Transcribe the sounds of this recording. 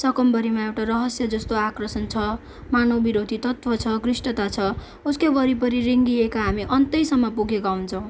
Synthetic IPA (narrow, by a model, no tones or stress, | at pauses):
sʌkʌmbʌɾimaewʈarʌɦʌsjʌd͡zʌst̪oakrʌsʌnt͡sʰʌ | manʌbiɾod̪ʱit̪ʌt̪wʌt͡sʰʌkrisʈʌt̪at͡sʰʌ | uskebʌɾipʌɾiɾiŋɡiekaɦamiʔʌnt̪ʌjsʌmːʌpuɡekawnt͡sʰʌw̃